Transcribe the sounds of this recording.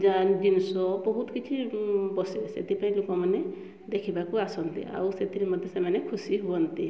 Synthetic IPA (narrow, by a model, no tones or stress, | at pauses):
d͡ʒad͡ʒinɔsɔbɔɦut̪ɔkit͡ʃʰibɔsisḛt̪ipaĩlokɔmane | d̪ekʰibakuasɔnt̪ḭa̰wset̪ʰiɾimɔd̪ʱjɔsemanekʰusiɦuɔnt̪i